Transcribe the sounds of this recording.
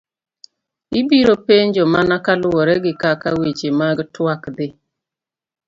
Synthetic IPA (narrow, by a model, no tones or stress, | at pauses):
ibiɾopeɲd͡ʒɔmanakalʊwɔɾɛɡɪkakawet͡ʃemaɡtwakd̪ɪ